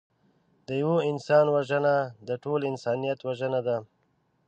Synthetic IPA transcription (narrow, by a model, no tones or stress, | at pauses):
d̪əjawoɪnsɑnwaʒənad̪əʈʰolɪnsɑːnijat̪waʒənad̪a